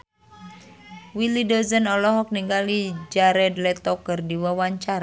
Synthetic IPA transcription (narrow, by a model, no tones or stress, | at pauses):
wilidɔzənɔlɔɦɔk̚niŋɡalid͡ʒaɾɛdlɛt̪ɔkərdiwawaɲt͡ʃaɾa